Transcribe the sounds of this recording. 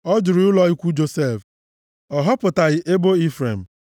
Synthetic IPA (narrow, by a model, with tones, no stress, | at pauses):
ɔ˦d͡ʒʊ˨ɾɪ˨˦ʊ˦lɔ˨i˦kʷu˦d͡ʒo˨se˦˨f | ɔ˨ɦɔ˦pʊ˨ta˨ɣɪ˦ʔe˦bo˦i˦fɾe˨m̩˨